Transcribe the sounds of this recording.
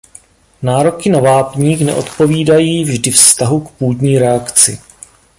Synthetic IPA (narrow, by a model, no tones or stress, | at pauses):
naːɾo̞kɪnavaːpɲiːxnɛ̰ʔo̞t̪po̞viːdajiːvʒdɪfst̪aɦukpuːdɲiːɾɛakt͡sɪ̰